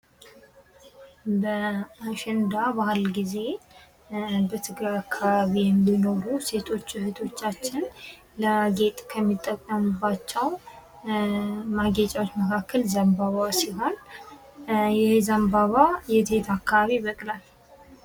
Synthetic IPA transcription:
bəaʃɪnd̪abahlɡize̞ | bət̪ʰɨɡɾajakʰːaβaβijɛmːino̞ɾuse̞t̪ʰo̞t͡ʃːɨhɨt̪ʰo̞t͡ʃːat͡ʃːɪn | ləaɡe̞t̪ʼkʰəmːit̪ʼːəkʼːəmɨbːat͡ʃːɛw | maɡɛt͡ʃʼawot͡ʃːməkʰakʰːəlzəmbaβasibal | jɪhzəmbaβajɛt̪ʰet̪ʰakːaβaβiβəkʼlal

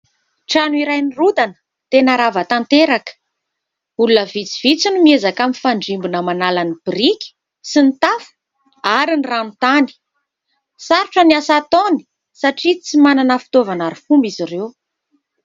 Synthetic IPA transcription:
ʈ͡ʂanuiɾajnirud̪anə̥ | t̪enaɾavat̪ant̪eɾakə̥ | ulunəvit͡si̥v̥it͡sinumiezakamifaɳɖ͡ʐimbunəmanalanib̥iɾikʲi̥ | sinit̪afu̥ | aɾinranut̪ani̥ | saɾuʈ͡ʂəniasat̪oni̥ | saʈ͡ʂit͡simananəfi̥t̪ovanaɾifumbiziɾew

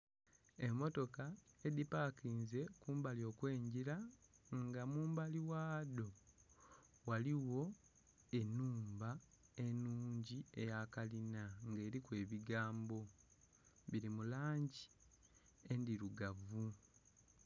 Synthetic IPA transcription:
e̞mːo̞to̞kae̞dipakiːnze̞kuːmbalio̞ːkwe̞ːɲɟiɾaŋɡamuːmbaliwaːdo̞ | waliwo̞ | e̞nuːmbae̞nuːɲɟie̞jakalinaŋɡe̞ːɾikwe̞ːβiɡaːmbo̞ | βiɾimulaːɲɟi | e̞ndiɾuɡavu

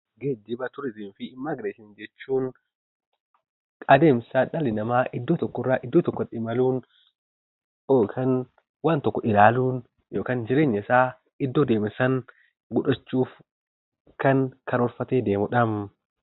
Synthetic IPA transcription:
ɡed͡ʒːɪbɐt̪ʊɾɪzɪnfɪːmːaːɡɾeːsɪnd͡ʒɛt͡ʃːuːn | kʼɐd̪e̞ːmsaːᶑɐlɪnɐmaːʔɪd̪ːoːt̪ɔkːɔɪrːaʔɪd̪ːoːt̪ɔkːɔᶑɪmɐluːn | jo̞ːkʰaːn | waːnt̪ɔkːɔʔɪlaːluːn | jo̞ːkaːnd͡ʒɪɾe̞ːɲːɐɪsaː | ɪd̪ːoːd̪e̞ːmɪsɐŋ | ɡʊᶑɐt͡ʃːuːf | kɐnkɐɾɔɾfɐt̪eːd̪e̞ːmʊᶑɐm

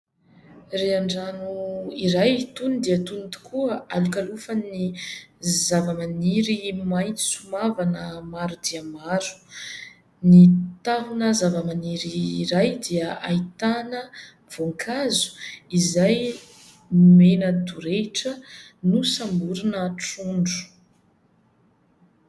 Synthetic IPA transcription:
reaɳɖ͡ʐanuiɾajt̪unid̪iət̪unit̪u̥kʰuəalukalufəni | zavəmaniɾimajt̪i̥sumavanəmaɾud̪iamaɾu̥ | nit̪aɦunəzavəmaniɾiɾajd̪iəait̪anə | v̥oŋkʰazu̥izaj | menəd̪uɾeʈ͡ʂənusambuɾunəʈ͡ʂuɳɖ͡ʐu̥

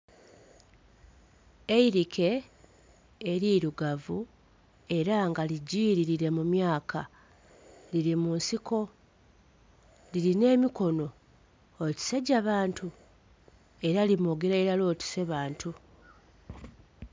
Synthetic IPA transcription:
e̞iɾikʰe̞ | ɾiɾuɡavu | e̞ɾaŋɡaliɟiːɾiɾiɾe̞mumjaːkʰa | liɾimunsiko̞ | liɾine̞ːmiko̞no̞ | oci̥seɟaβaːntʰu | e̞ɾalimoɡeɾaeɾalo̞ːtu̥se̞βaːntu

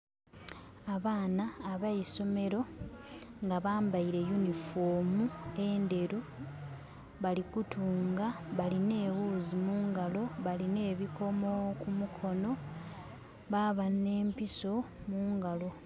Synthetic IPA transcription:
aβaːnaːβajiso̞me̞ɾo̞ | ŋɡaβaːmbaiɾe̞junifo̞ːmue̞ːnde̞ɾu | βalikutuːŋɡaβaline̞ːwuːzimuːŋɡalo̞βaline̞ːβiko̞mo̞kumukʰo̞no̞ | βaβane̞ːmpiso̞ | muːŋɡalo̞

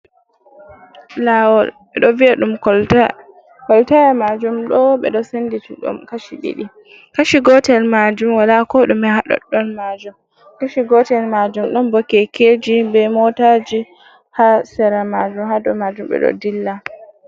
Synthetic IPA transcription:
lawɔlɓɛɗɔviaɗumkɔla | kɔltajamad͡ʒumɗɔɓɛ̰ɗɔsenditiɗṵmkaʃiɗḭɗi | kaʃiɡɔtɛlmad͡ʒumwalakɔɗumɛhaɗɔ̰ɗɔnmad͡ʒum | kaʃiɡɔtɛlmad͡ʒumɗɔnbɔkːɛked͡ʒibɛmɔtad͡ʒi | hasɛɾamad͡ʒumhaɗɔmad͡ʒumbɛ̰ɗɔ̰dilːa

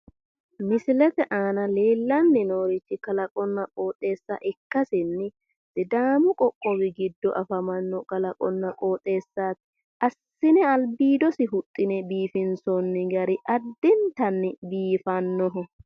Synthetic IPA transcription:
mɪsɪlɛt̪ɛʔaːnɐleːlːɐnːɪnoːɾɪt͡ʃːɪkɐlɐkʼɔnːɐkʼoːt̪ʼe̞ːsːɐ̰ʔɪkːɐsɪnːɪ | dɪd̪aːmʊkʼɔkʼːɔbɪɡɪd̪ːɔʔɐfɐmɐnːɔkʼɐlɐkʼɔnːɐkʼoːt̪ʼːe̞ːsːaːt̪ɪ̥ | ɐsːɪnɛɐlbiːd̪ɔsɪɦʊt̪ʼːɪnɛbiːfɪnsɔnːɪɡɐɾɪʔɐd̪ːɪnt̪ɐnːɪbiːfɐnːɔɦɔ

